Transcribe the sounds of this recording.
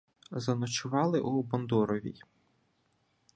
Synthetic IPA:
zɐnɔt͡ʃʊʋɑlˠɪʔubɔnd̪ɔɾɔʋʲḭj

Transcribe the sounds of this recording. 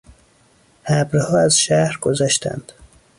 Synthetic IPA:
hæbɾhɒːæzʃæhɾɡozæʃt̪ʰæ̰nd̪̥

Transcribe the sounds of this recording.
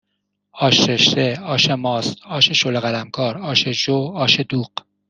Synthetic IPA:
ɒːʃeʃt̪eɒːʃemɒːst̪ɒːʃeʃoleɣælæmkʰɒːɾɒːʃed͡ʒoɒːʃed̪uːɢ

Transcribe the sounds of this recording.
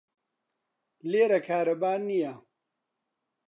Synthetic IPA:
leːɾɐkʰaːɾɐbaːɾnija

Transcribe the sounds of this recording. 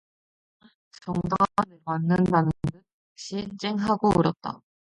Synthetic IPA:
t͡ɕʌŋdanemanːɯndanɯndɯ | ɕ͈ʰit͡ɕ͈eŋɦaɡouɾʌt̚t͈a̰

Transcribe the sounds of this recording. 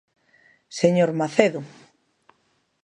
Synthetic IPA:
seɲoɾmaθeðʊ

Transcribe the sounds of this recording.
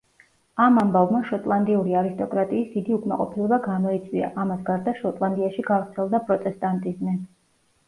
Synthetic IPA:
amambavmaʃɔt̪ʼlˠand̪iuɾiaɾist̪ʼɔkʼɾat̪ʼiːsd̪̥id̪iukʼmaqʼɔpʰilɛbaɡamɔit̪sʰʼwia̰ʔamasɡaɾd̪aʃɔt̪ʼlˠand̪iaʃiɡavɾt̪sʰɛlˠd̪apʼɾɔt̪ʼɛst̪ʼant̪ʼizmi

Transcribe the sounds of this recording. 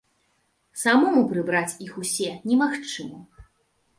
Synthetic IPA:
samɔmupɾɨbɾat͡sʲixusʲɛnʲɛmaxt͡ʂɨmɐ

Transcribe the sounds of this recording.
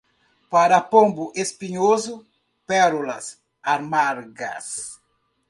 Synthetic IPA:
paɾapõmbuʔespiɲozu | pɛɾulɐs | aɾmaɾɡɐ̰s

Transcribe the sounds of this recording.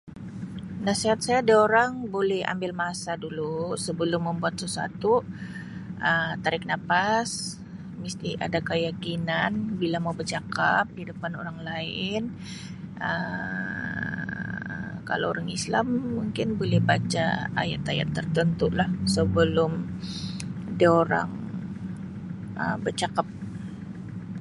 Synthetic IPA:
nasiɦat̪̚sajaːdaoɾaŋbolɛha̰mbɪlmasadulusəbəlʊmːəmbuat̪̚səsa̰t̪u | ʔət̪aɾɪk̚napas | mist̪ia̰dakəjakinanbilamawbərd͡ʒakap̚didəpano̰ɾaŋlaɪn | ʔə | ka̰laoɾaŋislamːuŋkɪnbolɛhbat͡ʃa̰a̰ja̰t̪aja̰t̪ːərt̪ənt̪ulahsəbəlʊm | dioɾa̰ŋ | ə̰bərt͡ʃakap̚

